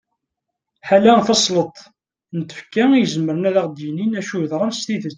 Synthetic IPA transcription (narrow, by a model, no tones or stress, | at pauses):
ħalæθɑsˤlət̪ˤ | nt̪ːə̥fkæijəzəməɾənæðæʁd̪jəninæʃuðɾˤænst̪iðət͡s